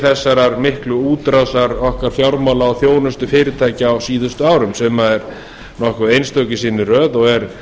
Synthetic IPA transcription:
θɛsːaɾaɾmɪhklʏuːt̪ɾasaɾɔhkaɾ̥fjawɾmawlaːwθjoːwnʏst̪ʏfɪːɾɪt̪ʰaːjcɪawsiːðʏst̪ʏaːwɾʏmsɛmaɛɾ | nɔhkʏðejnst̪œcɪsiːnːɪrœːðɔɣɛɾ̥

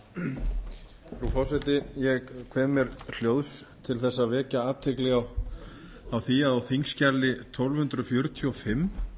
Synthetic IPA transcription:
fɾufɔwsɛt̪ɪjɛɣkʰvɛːmɛɾl̥joːwðs | t̪ʰɪlθɛsːavɛːcaaːt̪ʰɪklɪaw | awθiaðawθiŋscalːɪt̪ʰɔlvhʏnt̪ɾʏfjʏɾt̪ʰiɔfɪm

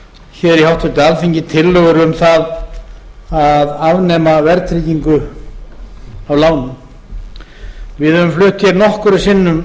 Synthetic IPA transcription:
çɛːɾɛɾihawht̪ʰʏt̪ɪalfiɲcɪt̪ʰɪlːœɣʏɾʏmθað | aðavnɛːmavɛɾt̪ʰɾiːciŋkʏ | awlaːwnʏm | vɪðœvʏmflʏht̪çɛɾnɔhkʏɾʏsɪnːʏm

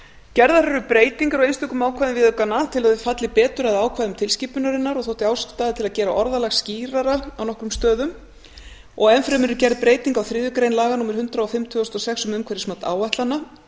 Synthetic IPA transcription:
cɛɾðaɾɛɾʏpɾeːjt̪iŋkaɾɔɣejnst̪ʏkʏmaːwkʰaðnvɪðʏkanːat̪ʰɪlaððvɪfat̪lɪpɛːt̪ʏɾaðaːwkʰvajðʏmt̪ʰɪlscipʏnaɾɪnːaɾɔɣθowht̪ɪaːwst̪aːðɪt̪ʰɪlaðcɛːɾaʔɔɾðalaxsciːɾaɾaawnɔhkɾʏmst̪œːðʏm | ɔ̰ɣɛnfɾɛmɛɾʏcɛɾðpɾeːjt̪iŋkawθɾɪːðjʏkɾejnlaːɣanuːmɪɾ̥hʏnt̪ɾaɔfɪmt̪ʰʏɔst̪ɔsɛksʏmʏmkʰɛɾɪsmat̪a̰ːwvaht̪lanːa

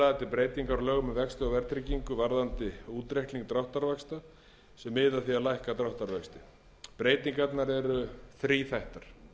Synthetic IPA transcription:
at̪ɪpɾeːjt̪iŋkaɾɔlœːɣʏmɛvɛkst̪ʏɔvɛɾt̪ɾiciŋkʏvaɾðant̪ɪuːt̪ɾehk̪liŋk̚t̪ɾawht̪aɾvɛkst̪a | sɛmːɪðaθiaðlajhkat̪ɾawht̪aɾvɛkst̪ɪ | pɾeːjt̪iŋkat̪naɾɛɾʏθɾiːθajht̪aɾ̥

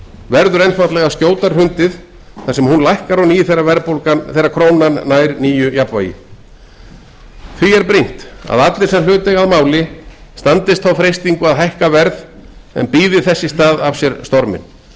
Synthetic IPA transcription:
vɛɾðʏɾejnfat̪lɛɣascoːwt̪aɾ̥rʏnt̪ɪð | θḁsɛmhunlajhkaɾɔniːθɛrːavɛɾpolkaθɛrːakʰɾoːwnanːaːjɾniːjʏjapva̰jɪ̰ | θviɛɾpɾijm̥t̪a̰ðat̪lɪ̥sɛml̥ʏːt̪ɛɣaðmaːwlɪst̪ant̪ɪst̪θawfɾejst̪iŋkʏaðɦajhkavɛɾðɛ̰npiːðɪθɛsːɪst̪aːðav̥sjɛɾst̪ɔɾmɪ̰n

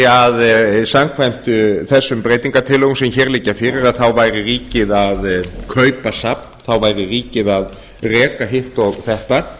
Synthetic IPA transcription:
aðsamkʰvajm̥t̪ʏθɛsːʏmpɾeːjt̪iŋkat̪ʰɪlɔɣʏmsɛmçɛːɾlɪcːafɪːɾɪɾaðθawvaːjɾɪriːcɪðaðkʰœːɥpasapn̥θawvaːjɾɪriːcɪðað | rɛːkaɦɪht̪ɔɣθɛht̪a

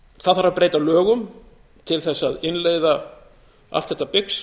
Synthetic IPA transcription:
θaðfaɾapɾeːjt̪alœːɣʏm | t̪ʰɪlθɛsːaðɪnleːjða | a̰ft̪θɛht̪ːapɪks

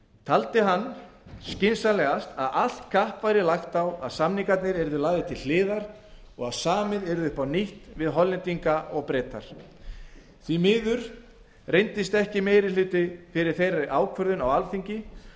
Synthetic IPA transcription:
t̪ʰalt̪ɪɦanːscɪnsalɛɣast̪aðal̥t̪kʰahpvajɾɪlaxt̪awaðsamniŋkat̪nɪɾɛɾðʏlaːɣðɪt̪ʰɪllɪːðaɾ | ɔɣaðsaːmɪðɛɾðʏpʰawniht̪vɪðɦɔlːɪnt̪iŋkaɔɣpɾɛːt̪a̰ɾ̥ | θvimɪːðʏɾ̥ | rejnt̪ɪst̪ɛhcɪmejɾɪlʏːt̪ɪfɪɾɪ̥θejɾaɾʔaːwkʰvœɾðʏnawalfiɲcɪ

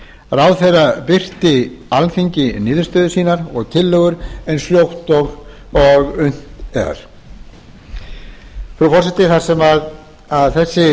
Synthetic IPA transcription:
rawðθejrapɪr̥t̪ɪalfejɲcɪnɪːðʏɾst̪œːðʏsiːnaɾɔɣt̪ʰɪlːœːɣʏɾɛnsljowht̪ɔɣ | ɔɣʏn̥t̪ɛ̰ɣa̰ɾ̥ | fɾufɔrsɛt̪ɪθaɾsɛmað | aðθɛsːɪ

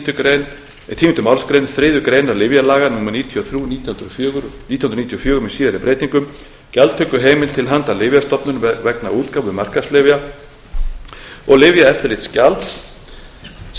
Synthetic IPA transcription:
t̪ʏkɾejn | t̪ʰiːmɪnt̪ʏmawlskɾejnθɾɪðʏkɾeːjnaɾlɪvjalaːɣanuːmniːt̪ʰiɔθɾjunit̪ɾːɣnit̪ʰijhnɾnit̪jɔfjœːɣʏɾʏmisiːðaɾɪpɾejt̪iŋkʏm | calt̪ʰœkːʏɦeːjmɪlt̪ʰɪlɦant̪alɪvjast̪ɔpnʏnvɛknauːt̪kawvʏmar̥kaslɪvja | ɔɣlɪvjaɛft̪ɪɾlɪt̪scalt̪s

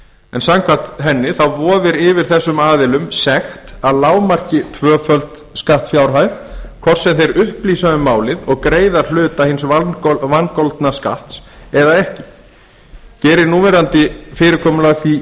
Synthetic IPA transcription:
ɛnsaŋkʰvat̪ɦɛnːɪθawvɔːvɪɾɪvɪɾ̥θɛsːʏmaːðɪlʏmsɛxt̪aðlaːwmar̥cɪt̪ʰvœːfœlt̪ | skaht̪fjawɾ̥ɦajθkʰvɔr̥sɛmθejɾʏhpliːsaðʏmːaːwlɪðɔɣkɾeːjðḁl̥ʏːt̪ahɪnsvankolt̪naska̰ht̪sɛðaɛhcɪ | cɛːɾɪɾnuːmɛɾant̪ɪfɪːɾɪɾkʰɔːmʏlaɣθi

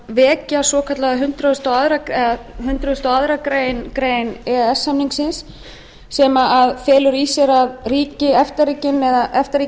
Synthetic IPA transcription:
vɛːcasɔːkʰat̪laɣaɦʏnt̪ɾaðʏst̪awaðɾaɛaɦʏnt̪ɾaðʏst̪awaðɾakɾeːjnkɾejnɛðɛsːamniŋksɪnsː | ɛmaʔaðfɛːlʏɾisjɛɾaðriːcɪɛft̪ariːcɪnɛðaʔɛft̪aɾi

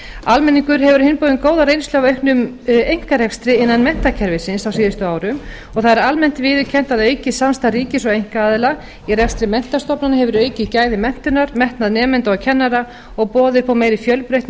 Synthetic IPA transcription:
almɛniŋkʏɾɦɛvʏɾ̥hɪnpowðɪnkoːwðaɾejnst̪œavœɥhknʏm | ejŋ̥kaɾɛkst̪ɾɪɪnːanmɛn̥t̪acʰɛɾvɪsɪnsawsiːðʏst̪ʏaːwɾʏm | ɔɣθaðɛɾalmɛn̥t̪vɪːðʏcʰɛn̥t̪aðœɥcɪsamst̪aɾiːcɪsɔɣejŋ̥kaaːðɪla | irɛkst̪ɾɪmɛn̥t̪ḁst̪ɔpnanahɛvʏɾœːɥcɪcaːjðɪmɛn̥t̪ʏnaɾmɛht̪naðnɛːmɛnt̪acʰɛnːaɾa | ɔɣpɔːðɪ̥pʰawmeːjɾɪfjœlpɾejht̪n

